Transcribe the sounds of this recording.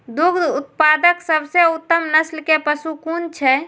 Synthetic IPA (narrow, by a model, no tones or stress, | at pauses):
d̪ʊɡd̪ʊt̪̚paːd̪əksəbseʊt̪ːəmnəslkepəsukuːnt͡ʃʰɛ